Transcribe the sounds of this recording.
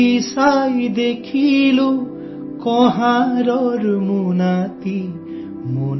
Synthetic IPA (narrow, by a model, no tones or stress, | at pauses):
isajd̪ekʰilu | kɔɦãɾɔɾmunat̪i | mun